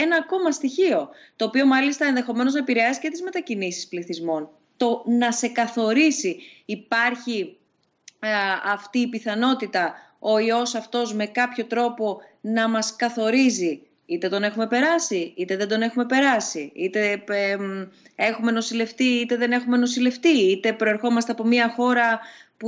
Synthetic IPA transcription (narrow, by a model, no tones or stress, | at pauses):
e̞nɐːko̞mɐst̪içio̞ | t̪o̞ːpio̞mɐlist̪ɐe̞nðe̞xo̞me̞no̞znɐepiɾe̞ɐsi̥ce̞t̪izme̞t̪ɐcinisispliθizmo̞n | t̪o̞nɐse̞kɐθo̞ɾisiːpɐɾçi | ɐft̪iːpiθɐno̞t̪it̪ɐ | o̞io̞sɐft̪o̞zme̞kɐpço̞t̪ɾo̞po̞nɐmɐskɐθo̞ɾizi | it̪e̞t̪o̞ne̞xume̞pe̞ɾɐsiit̪e̞ðe̞d̪o̞ne̞xume̞pe̞ɾɐsiit̪e̞ | e̞xume̞no̞sile̞ft̪iit̪e̞ðe̞ne̞xume̞no̞sile̞ft̪iit̪e̞pɾo̞e̞ɾxo̞mɐst̪e̞ɐpo̞miɐxo̞ɾɐpu